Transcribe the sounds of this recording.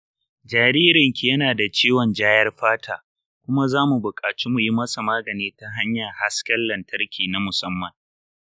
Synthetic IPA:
d͡ʒaː˨ɾiː˦ɾɪ˨ŋkʲi˨jɐ˦naː˨da˨t͡ʃeː˦wɔ˨nd͡ʒaː˦jɐ˦rɸaː˦tʰaː˨ | kʷʊ˦ma˦zaː˦mu˨bʊ˨kʼaː˨t͡ʃi˦mu˨ji˦mɐ˦sa˨maː˦ɡɐ˨neː˦ta˦ɦa˦ɲja˨ha˦skɐ˦lːɐ˨ntʰɐ˦rkʲʰiː˨na˦mʊ˨sɐ˦mːɐ˨ŋ

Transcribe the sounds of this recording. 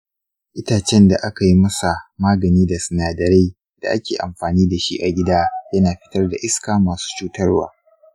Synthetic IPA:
ʔɪ˦taː˨t͡ʃɛ˦nda˨ʔa˦ka˨ji˦mɐ˦sa˨maː˦ɡɐ˨niː˦da˨sʊ˨naː˨dɐ˨ɾe˦ | d̥a̰˨ʔa˦kʲeː˨ʔa̰˨mɸaː˨niː˦da˨ʃḭ˦ʔa˨ɡʲɪ˦daː˦jɐ˦naː˨ɸɪ˦tɐ˦rda˨ʔɪ˦skaː˨maː˨su̥ː˦t͡ʃuː˦tɐ˦rwa̰ː˨

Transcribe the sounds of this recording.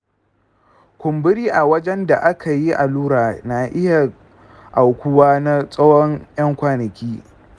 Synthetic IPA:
kʷʊ˨mbɪ˦ɾiː˦ʔa˨wɐ˦d͡ʒɛ˦nda˨ʔa˦kʰa˨ji˦ʔa˨luː˦ɾaː˨na˨ʔɪ˦ja˨ | ʔa˨wkʷʊ˦waː˦na˦sʼɐ˦wɔ˦ŋjɐ˦ŋkʷaː˦nɐ˨kʲiː˦

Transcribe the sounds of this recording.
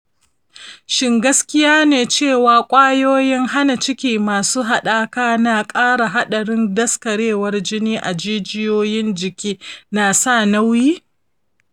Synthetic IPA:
ʃɪ˦ŋɡɐ˦skʲɪ˦jaː˦neː˨t͡ʃeː˦˨waː˨kʷʼaː˦joː˦jɪ˦ŋha˦na˨t͡ʃɪ˦kʲiː˨maː˨suː˦ɦa˨ɗaː˦kaː˦naː˨kʼaː˦ɽa˨ɦa˦ɗɐ˨ɽɪ˦ndɐ˦skɐ˨ɽeː˦˨wɐ˦rd͡ʒɪ˦niː˦ʔa˨d͡ʒiː˦d͡ʒɪ˦joː˦jɪ˦nd͡ʒɪ˨kʲiː˦naː˨sa˦˨na˦wjiː˦

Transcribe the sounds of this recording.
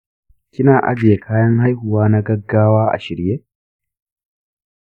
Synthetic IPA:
kʲɪ˦naː˨ʔa̰˦bje˨kʰaː˦jɐ˦ŋha˦jhʊ˨waː˦nɐ˦ɡɐ˦ɡːaː˦waː˦ʔa̰˨ʃɪ˨ɾje˦

